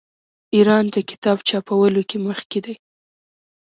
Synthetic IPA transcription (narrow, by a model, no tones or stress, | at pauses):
iɾɑnd̪əkɪ̥t̪ɑbt͡ʃɑpawəlokeməxked̪aj